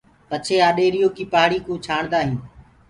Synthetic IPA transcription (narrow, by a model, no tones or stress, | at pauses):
pət͡ʃʰeːaːɗeːɾɪjoːkiːpaːɽiːkõːt͡ʃʰaːɳ̃d̪aːɦĩː